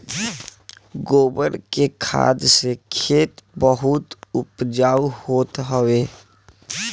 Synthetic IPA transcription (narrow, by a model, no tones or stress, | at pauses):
ɡoːbəɾkekʰa̰ːd̪sekʰeːt̪bəɦʊt̪ʊpd͡ʒaːwhoːt̪ɦəʋeː